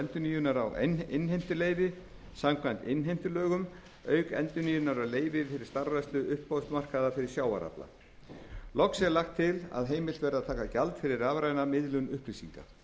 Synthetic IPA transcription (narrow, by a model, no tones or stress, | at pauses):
ɛnt̪ʏniːjʏnaɾawnɪnɦejm̥t̪ʏleːjvɪ | samkʰvant̪ɪnːɦejm̥t̪ʏlœːɣʏm | œːɥkɛ̰nt̪ʏniːjʏnaɾawleːjvɪfɪɾɪ̥st̪aɾvast̪lʏʔʏhpːowst̪mar̥kaðafɪɾɪ̥sjaːwa̰ɾa̰pla̰ | lɔksɛɾlaxt̪ʰːɪla̰ðɦeːjmɪl̥t̪vɛɾaðt̪ʰaːkacalt̪fɪɾɪɾavɾajnamɪðlʏnʏhpɾisiŋka